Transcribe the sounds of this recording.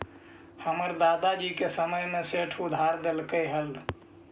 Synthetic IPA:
həməɾd̪ad̪ad͡ʒikesəməjmeseʈʰud̪ʱaɾd̪elkəɦəl

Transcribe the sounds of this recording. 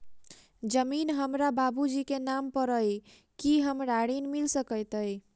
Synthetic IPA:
d͡ʒəminɦəmɾababud͡ʒikenampəɾəj | kiɦəmɾaɽinmilsəkəjt̪əj

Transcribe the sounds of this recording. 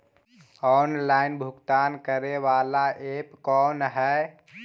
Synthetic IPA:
ɔnlainbʱukt̪aːnkəɾeʋalaʔepkɔːnɦɛ

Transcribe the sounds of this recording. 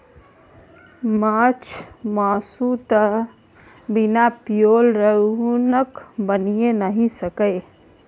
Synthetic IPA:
mat͡ʃʰmasut̪ə | binapijolɾənəkbənijenəɦĩsəkəɪ

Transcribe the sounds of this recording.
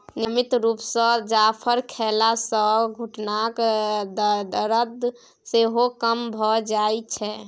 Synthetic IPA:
nimit̪ɾupsə̃d͡ʒapʰəɾkʰelasə̃ɡʱuʈnakd̪d̪əɾəd̪ | seɦokəmbʱɔd͡ʒajt͡ʃʰɛ

